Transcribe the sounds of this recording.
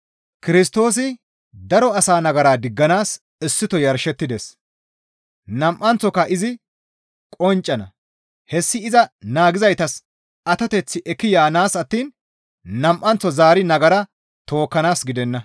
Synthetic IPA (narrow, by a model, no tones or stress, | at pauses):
kɪɾɪs̬t̪o̞ːs̬ɪ | d̪ɐɾɔɐsaːnɐɡɐɾaːd̪ɪɡːɐnaːs | ɪsːɪt̪ɔjɐɾʃɛt̪ːɪd̪ɛs | nɐmʔɐnt͡sːɔkːɐʔɪzɪ | kʼɔnt͡ʃʼːɐnɐ | hɛsːɪɪzɐnaːɡɪzɐjt̪ɐs | ɐt̪ɐt̪ɛt͡sːɪʔɛkːɪjaːnaːsɐt̪ːiːn | nɐmʔːɐnt͡sːɔzaːɾɪnɐɡɐɾɐ | t̪o̞ːkːɐnaːsɡɪd̪ɛnːɐ